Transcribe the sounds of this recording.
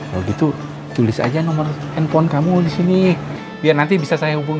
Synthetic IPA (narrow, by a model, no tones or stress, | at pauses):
kaloɡit̪u | t̪ulɪsa̰d͡ʒanɔmər | ɛnpɔnkamudisini | biarnant̪ibisasajaɦubuŋ